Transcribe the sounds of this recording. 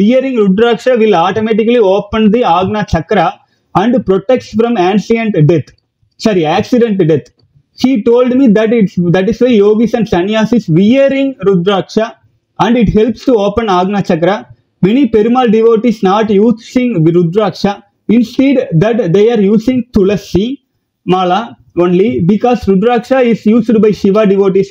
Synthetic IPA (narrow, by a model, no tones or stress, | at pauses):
ʋɪjəɾɪ̃ŋɡɾʊd̪ɾaːkʂaːʋɪlaːʈomeːʈɪkɐlioːpə̃nd̪iaːɡnat͡ʃɐkːɾa | ɐ̃ɳɖpɾɔʈːɛk̚ʈsfɾɔ̃mãːnsiɛ̃ɳʈɖɛt̪ | sɐɾiæːksɪɖɛ̃ɳʈːɖɛt̪ | ʃiːʈoːlɖmid̪ɐʈɪʈsd̪ɐʈ̬ɪsʋeɪjoːɡɪsɐ̃ɳɖsɐnɪjaːsɪsʋɪjɐɾɪ̃ŋɾʊd̪ɾaːkʂa | ɐ̃ɳɖɪʈhɛlpsʈuoːpə̃naːɡnat͡ʃɐkːɾa | mɛnipɛɾɯmaːlɖɪʋoːʈisnaːʈjuːsɪ̃ŋɾʊd̪ɾaːkʂa | ɪ̃nsʈeːɖd̪ɐʈd̪eːaːɾjuːsɪ̃ŋt̪ʊlɐsi | maːla | õːnlibɪkɔːsɾʊd̪ɾaːkʂaɪsjuːsɖbɐɪʃɪʋaːɖɪʋoːʈis